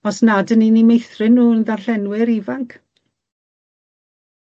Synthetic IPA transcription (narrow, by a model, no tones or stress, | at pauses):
ɔsnadəninimejθrɪnːuːənðarɬɛnwɪɾivaŋkʰ